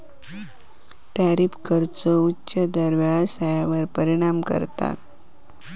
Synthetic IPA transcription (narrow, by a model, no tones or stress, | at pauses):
ʈaɾipkəɾt͡səutːɕəd̪əɾʋjaɭsajaʋəɾpəɾiɽ̃amkə̰ɾt̪a̰t̪